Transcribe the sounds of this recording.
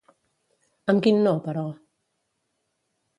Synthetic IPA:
amɡɪnɔbaɾɔ

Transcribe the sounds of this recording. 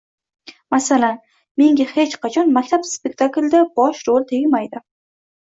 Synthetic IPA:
masalan | me̞ŋɡʲahe̞t͡ʃqʰɑt͡ʃʰɒnmakʲt̪ʰapspek̚ʲt̪ʰakld̪abɒʃɾolˠt̪ʰeɡʲɪmajd̪ɪ

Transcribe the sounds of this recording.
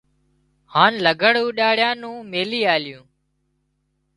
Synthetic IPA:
haːnləɡʱəɽũːɗaːɽɪjãːnũːmeːliːaːljũː

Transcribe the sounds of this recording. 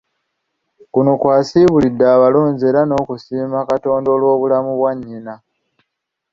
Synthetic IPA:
kunokwaːsiːβulidːaːβalo̞ːɲze̞ɾano̞ːkusiːmakato̞ːndo̞ːlwo̞ːβulamuβwaɲːina

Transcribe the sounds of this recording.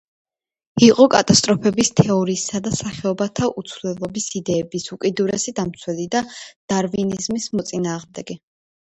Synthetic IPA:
iqʼɔkʼat̪ʼast̪ʼɾɔpʰɛbist̪ʰɛɔɾiːsad̪asaχɛɔbat̪ʰaʔut̪sʰvlɛlˠɔbisid̪ɛːbisukʼid̪uɾɛsid̪amt̪sʰwɛlid̪ad̪̥aɾvinizmismɔt̪sʼinaːʁmd̪ɛɡi

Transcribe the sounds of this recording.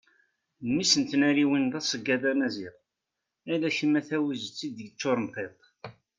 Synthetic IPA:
mːisənt̪næɾiwinðˤæsˤəɡːæðæmæziʁ | ælæçəmæθæwizt͡sːid̪əɡt͡sːoɾˤnqet̪ˤ

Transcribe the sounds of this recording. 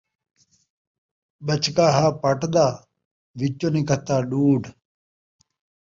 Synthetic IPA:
ɓət͡ʃkaːɦaːpəʈd̪aː | ʋɪt͡ʃːoːniːkət̪ːaːɖuːɖ

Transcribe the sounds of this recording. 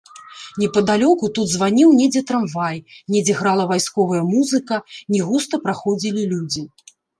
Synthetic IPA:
nʲɛpɐd̪alʲɔkut̪ud̪zvanʲiwnʲɛd͡zʲɛt̪ɾamvajnʲɛd͡zʲɛɣɾalˠɐvajskɔvɐjɐmuzɨkɐnʲiɣust̪ɐpɾaxɔd͡zʲilʲilʲud͡zʲi

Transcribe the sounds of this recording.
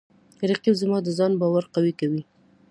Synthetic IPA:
ɾiqiwzmɑd̪əzɑnbɑwaɾqawikawi

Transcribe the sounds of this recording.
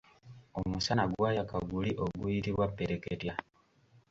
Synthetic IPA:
omusanaɡwaːjakaɡuliʔo̞ɡujitiβwapːeɾe̞ketja

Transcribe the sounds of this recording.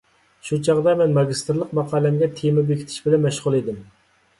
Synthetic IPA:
ʃut͡ʃʰɑʁd̪ɑmɛnmɑɡʲist̪ɾlˠəqmɑqʰɑːlɛmɡʲɛt̪ʰemɛbekʲʰit̪ʰɪ̥ʃbɪlɛnmɛʃʁʊlˠed̪ɪm

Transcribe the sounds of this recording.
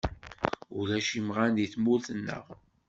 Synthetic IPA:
ṵlæʃimʁaniθmulθənːə̰ʁ

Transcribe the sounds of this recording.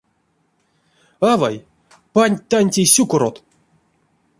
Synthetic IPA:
ava̰j | panʲt̪anʲtʲejsʲukoɾot̪

